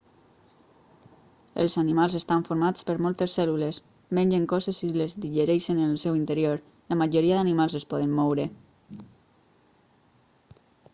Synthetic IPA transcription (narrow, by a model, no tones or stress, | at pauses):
ḛlˠzanimalˠzest̪aɱfoɾmat͡spəɾmɔlˠt̪esːɛlules | menʲd͡ʒeŋkɔzesilezðiʒəɾɛʃenəlsɛwint̪əɾioɾ | ləmaʒoɾiaðanimalˠzespɔðəmːɔwɾe